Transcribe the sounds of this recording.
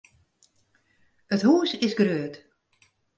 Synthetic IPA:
əthuːsɪsɡrøːət

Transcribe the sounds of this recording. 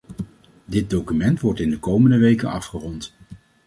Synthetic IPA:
dɪd̚dowkymɛntʋɔɹtɪndəkowməndəʋejkənɑ̰fχərɔnt

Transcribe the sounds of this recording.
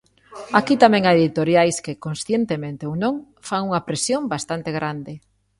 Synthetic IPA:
akit̪amɛ̃ŋaeðit̪oɾjajskɪkonsθjent̪emẽnt̪eownõŋ | faŋuŋapɾesjombast̪ant̪eɣɾand̪ɪ

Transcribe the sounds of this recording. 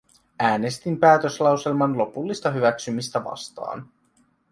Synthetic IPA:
æːne̞st̪impæːt̪ø̞slɑwse̞lmɑnlo̞pulːist̪ɑɦyʋæksymist̪æʋɑ̰st̪ɑ̰ːn

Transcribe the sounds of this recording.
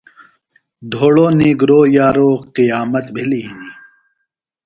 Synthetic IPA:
d̪ʱoːɽoːniːɡɾoːjaːɾoːqijaːmɐt̪bʱiliɦiniː

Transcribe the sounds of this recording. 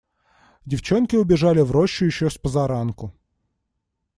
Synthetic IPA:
dʲɪft͡ɕo̞nkʲɪʊbʲɪʐalʲɪvɾoɕːʊjɪɕːospəzɐɾankʊ

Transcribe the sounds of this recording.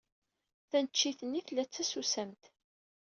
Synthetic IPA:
θænət͡ʃːiθənːiθlːæt͡sːæsusæmt̪

